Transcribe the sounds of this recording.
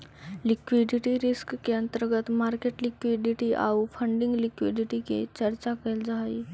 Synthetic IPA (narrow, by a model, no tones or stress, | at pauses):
likʋiɖiʈiɾiskkeənt̪əɾɡət̪maɾkeʈlikʋiɖiʈiʔa̰ufəɳɖiŋɡlikʋiɖiʈikḛt͡ɕəɾt͡ɕakeld͡zʱai